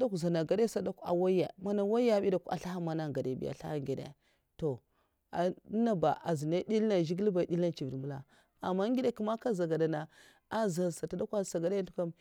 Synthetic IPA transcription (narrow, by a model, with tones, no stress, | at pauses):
da˦ku˨za˨na˨ɡa˨de˦sa˦da˦ka̰˨wa˦a˨ma˦na˦˨wa˦a˦˨˦i˦da˨ka̰˨ɬa˦ha˦ma˦na˦˨ɡa˨de˨bḭ˦ja̰˨ɬa̰˦ha˦ŋɡe˨dḛ˨ | to˨ | a˨˦na˦ba̰˨ʔa˨zi˨na˦di˦lna˨ʒi˦ɡi˦lba˨i˨ɗi˦la˦nt͡ʃi˨vi˨mu˦la̰˨ | a˨mːa˦ŋɡi˦de˦ku˦ma˦ka˦za˨ɡa˨da˨na˨ | a˦za˨sa˨ta˨˦da˦ka˦sa˨ɡa˨da˦a˦tu˦ka˦m